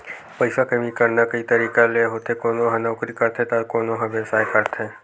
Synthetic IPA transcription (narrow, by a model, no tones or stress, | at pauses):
pəjʃakəmikəɾnakəit̪əɾiːkaleɦot̪ʰekonoɦənakɾikəɾt̪ʰet̪aɾkoːnoɦəʋesajkəɾt̪ʰe